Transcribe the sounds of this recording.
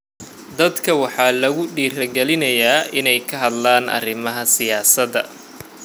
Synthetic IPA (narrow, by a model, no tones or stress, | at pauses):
d̪ɐd̪kʰɐwɑħɑːlɐɣʊɖiːrɐɡɛlɪnɐjaːʔɪnɛjkʰɐɦɐd̪laːnʔɐ̰rɪmɐɦɐsɪjaːsɐðɐ̰